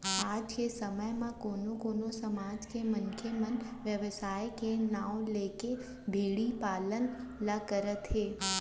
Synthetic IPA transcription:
aːd͡ʒkesəməjmãkoːnokoːnosəmaːd͡ʒkemənkʰemənʋjəʋsaːjkenãːõleːke | bʱeːɽipaːlənləkəɾət̪ɦeː

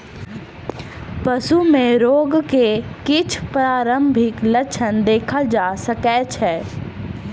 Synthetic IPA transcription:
pɐsumẽɾoːɡkekɪt͡ʃʰpɾaːɾə̃mbʱɪklət͡ʃʰənd̪eːkʰəld͡ʒaːsəkɛːt͡ʃʰɛː

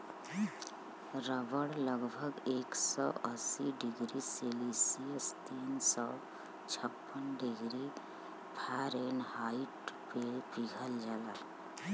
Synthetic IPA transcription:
ɾəbəɽləɡbʱəɡeːksɔʔəsiɖiɡɾiselisiəst̪iːnsɔ | t͡ʃʰəpːənɖiɡɾi | pʰaɾenhaiʈpepiɡʱəld͡ʒala

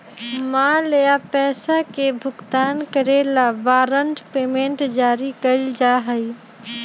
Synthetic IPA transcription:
mãːlejapɛːsakebʱʊɡt̪aːnkəɾeːlaʋaːɾəɳʈpeːmẽɳʈd͡ʒaːɾikəid͡ʒaːɦəi

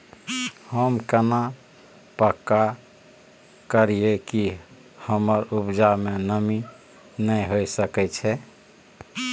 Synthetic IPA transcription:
həmkəna | pəkːa | kəɾijeki | həməɾupd͡ʒamenəmi | nəɦojsəkɛt͡ʃʰɛ

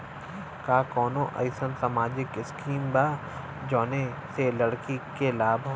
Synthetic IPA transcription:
kaːkɔːnõʔə̰ɪsənsamaːd͡ʒɪkɪskiːmbaː | d͡ʒɔːne | selɐɽkikelaːbʱ

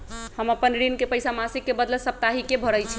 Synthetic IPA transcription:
həməpənɾinkepəjsamasikːebəd̪ləsəp̚t̪aɦikebʱəɾəjt͡ʃʰi

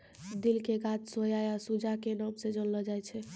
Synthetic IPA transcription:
d̪ilkeɡat̪sojajasud͡ʒʱakenəmsẽd͡ʒənləd͡ʒajt͡ʃʰɛ

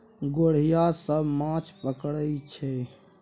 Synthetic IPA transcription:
ɡoɽ̤ijasəbmãt͡ʃʰpəkɽət͡ʃʰɛ

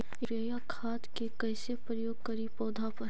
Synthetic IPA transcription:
ɪɾajakʰaːt̪kekɐɪsepɾəjoːɡ̚kɐɾipɔːd̪ʱapɐɾ

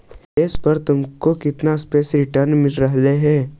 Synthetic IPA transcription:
ɪspɐɾt̪ʊmkokɪt̪naspeːsɾɪʈəɾnmɪlɾɐɦleɦɛ̃ː

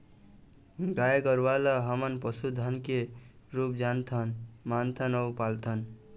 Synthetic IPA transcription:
ɡajɡəɾʋalaɦəmənpəsud̪ʱənke | ɾup̚d͡ʒant̪ʰənmant̪ʰənəwpalt̪ʰən

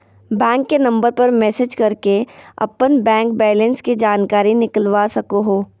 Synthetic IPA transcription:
bɛ̃ːŋkːenɐ̃mbəɾpɐɾmɛːsɪd͡ʒkɐɾkeɐ̰pənbɛ̃ːŋk̚bɛːlə̃nskid͡ʒaːnkaːɾinɪkəlʋasɐkoɦoː

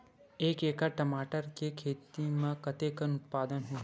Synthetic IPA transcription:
eːkeːkaʈɐmaːʈəɾkekʰeːt̪imẽkɐt̪ekənʊt̪̚paːd̪ənɦuɦ

